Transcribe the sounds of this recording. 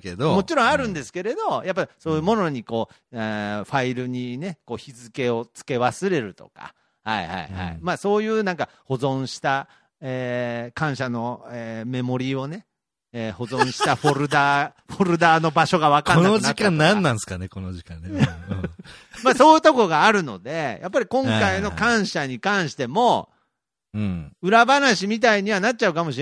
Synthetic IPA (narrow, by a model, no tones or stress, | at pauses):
ked̪omo̞t͡ɕiɾõ̞ɰ̃aɾɯ̟̃nd̪e̞sɨ̥ke̞ɾe̞d̪o̞jap̬ːaiso̞ːjɯ̟ːmo̞no̞ɲ̟iko̞ː | ɸaiɾɯ̟ɲ̟ine̞ko̞ːçizɨke̞o̞t͡sɨ̥ke̞βasɨɾe̞ɾɯ̟t̪o̞̰ka̰ | haḭha̰ḭha̰ḭmaːso̞ːjɯ̟ːnãŋka | ho̞zõ̞ɰ̃ɕi̥t̪a | eːkãɰ̃ɕano̞eme̞mo̞ɾʲiːo̞ne̞ | eːho̞zõ̞ɰ̃ɕi̥t̪aɸoɾɯ̟d̪aːɸoɾɯ̟d̪aːno̞baɕo̞ɡaβ̞akãnnːaoɯnikãnːãnːãɰ̃sɨ̥kanekonoʑikã̰nːeɯ̃maso̞ːjɯ̟ːt̪oko̞ɡaːɾɯ̟no̞̰d̪e̞jʔa̰pːaɾʲikõ̞ŋkaino̞kãɰ̃ɕaɲ̟ikãɰ̃ɕi̥t̪e̞mo̞ | ɯ̟ɾabanaɕimʲit̪aiɲ̟iβanat̚t͡ɕːaɯ̟kamo̞ɕ̬i